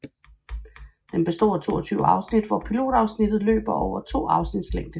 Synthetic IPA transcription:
d̥emb̥e̝sd̥o̝̰ːt͡sʰo̝̰ːɒt͡sʰyːʊəɑ̈ʊsnid̥ʋɒpʰilo̝̰ːd̥ɑ̈ʊsnid̥ð̞̩ˠlø̰ːb̥ɐʔɒʊɐt͡sʰo̝̰ːɑ̈ʊsnid̥sleŋ̰d̥ə

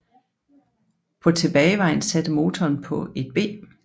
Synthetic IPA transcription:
pʰɒ̽t͡sʰe̝b̥ɛːɪʋɑ̈ɪn̩sæd̥əmo̝ːt͡sʰɒːnpʰɒ̽e̝d̥̚b̥e̝̰ː

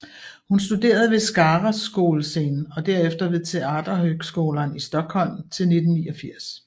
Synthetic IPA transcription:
hunsd̥ud̥e̝̰ːɐð̞ˠʋe̝sɡ̥ɑ̈ːʁasɡ̥o̝̰ːlse̝̰ːnn̩ɒ̽d̥æɐ̰efd̥ɐʋe̝ðˠt͡sʰe̝ɑ̈ːd̥ɐɦøɡ̥sɡ̥o̝̰ːlɐnisd̥ɒ̽ɡ̥hɒ̽l̰mt͡sʰe̝lne̝d̥n̩niːɒfiɐ̰s

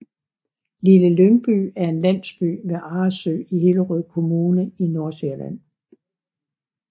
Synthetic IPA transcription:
liləløŋb̥y̰æɐe̝nlæn̰sb̥y̰ʋeʔɑ̈ːsø̰ːihe̝ləʁœð̰ˠkʰo̝muːnəino̝ɐseɐlæ̰n̰

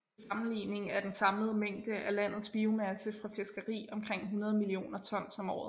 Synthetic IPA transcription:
sɑ̈mn̩lḭːne̝ŋæɐd̥ensɑ̈mləð̞̩ˠmeŋ̰d̥əʔælæn̰ð̞̩ˠsb̥iumæsəfʁɑ̈fesɡ̥ɐʁḭːɒ̽mkʰʁeŋ̰ɦunɐð̞ˠmilio̝̰ːnɐt͡sʰɒ̽n̰sɒ̽mɒ̰ːð̩ˠ

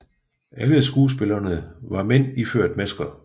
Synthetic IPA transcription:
ʔæləsɡ̥uːs̬b̥elɐnəʋɑ̈men̰iføɐ̰d̥mæsɡ̥ɐ

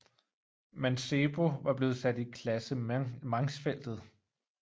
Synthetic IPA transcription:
mænseb̥o̝ʋɑ̈b̥le̝ːð̞̩ˠsæd̥ikʰlæsəmɑ̈ŋsfel̰d̥ð̞̩ˠ

